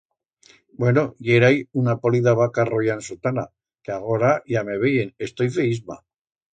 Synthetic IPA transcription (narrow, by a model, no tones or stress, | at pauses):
bwenoʝeɾajunapoliðaβakarojansot̪ana | keaɣ̞o̞ɾaʝameβejene̞st̪ojfeizma̰